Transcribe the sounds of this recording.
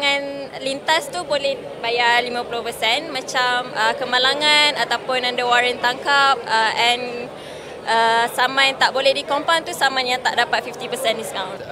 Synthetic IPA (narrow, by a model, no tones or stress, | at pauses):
ŋãnlint̪ast̪ubolɛh | bajalimãpulʊhpəsɛnmãt͡ʃaməkəmãlaŋãnat̪apʊnãndəwaɾənt̪aŋkap̚əʔɛn | ʔəsamãjt̪aʔbolɛhdikɔmpawnt̪usamãnjaŋt̪aʔdapat̪̚fift̪ipəsɛndiskawn